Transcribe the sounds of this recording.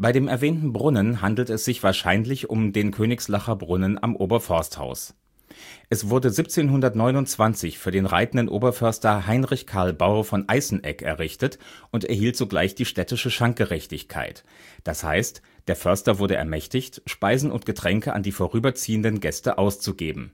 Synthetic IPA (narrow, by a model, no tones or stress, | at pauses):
b̥aɪɾeːmɛɐvɛːntn̩bʁʊnənɦandl̩tɛsz̥ɪçv̥aːɐʃaɪnlɪçʊ̰mdeːnkʰøːnɪkslaχɐbʁʊnəna̰mʔoːbɐfɔɐstha̰ʊs | ʔɛsv̥ʊɐdəzip̚t͡seːnɦʊndɐtnɔʏnʊnt͡sv̥ant͡sɪçfyːɐdeːnʁa̰ɪtn̩dənʔoːbɐfœɐstɐɦaɪnʁɪçkʰaɐlbaʊɐfɔnʔaɪsn̩ʔɛ̰kɛ̰ɐʁɪçtətʔʊntɛ̰ɐhiːltz̥oːɡla̰ɪçd̥iːʃtɛtɪʃəʃaŋk̚ɡ̥əʁɛçtɪçkʰa̰ɪt | d̥asha̰ɪst | d̥eːɐfœɐstɐvʊɐdəʔɛ̰ɐmɛçtɪçtʃpaɪzn̩ʊ̰ntɡ̥ətʁ̥ɛŋkəʔa̰ndiːfoːʁyːbɐt͡siːəndənɡɛstəʔaʊst͡suɡeːbm̩